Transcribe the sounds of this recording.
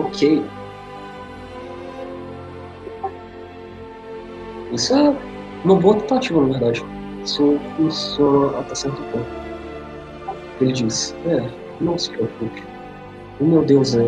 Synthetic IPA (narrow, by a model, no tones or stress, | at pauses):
okʰej | isʊɛ | nõboɐt̪ẽt̪at͡ʃivʊnɐveɾd̪ad͡ʒɪ | sokisɔat̪ɛsɛɾt̪ʊpõkʊ | elɪd͡ʒisɛ | nõw̃se̥ɲoɾpukɪ̥ | ʊmewd̪ewzɛ